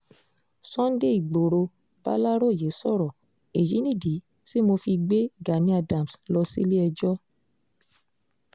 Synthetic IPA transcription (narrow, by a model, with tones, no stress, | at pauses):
sɔ̃˦n˦de˦˨i˨ɡ͡bo˨ɾo˧ | b̥a̰˦la˦ɾo˦˨je˨˦sɔ˦˨ɾɔ˨ | e˨ji˨˦nĩ˦˨di˨˦ | ti˦mo˧fi˧ɡ͡be˦ɡa˨nĩ˦a˧dã˨m˨slɔ˧sḭ˦le˦ɛ˧d͡ʒɔ˦